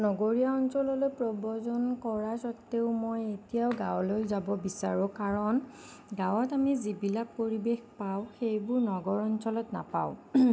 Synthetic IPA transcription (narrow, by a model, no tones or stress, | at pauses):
nɔɡoɹijaɔnsɔlɔlojpɹɔbɔzɔnkɔɹasɔtːeʊmojetijaʊɡawlojzabɔbisaɹʊ̃kaɹɔn | ɡãwɔtamizibilak̚poɹibexpaʊxejbʊɹnɔɡɔɹɔnsɔlɔtna̰pa̰ʊ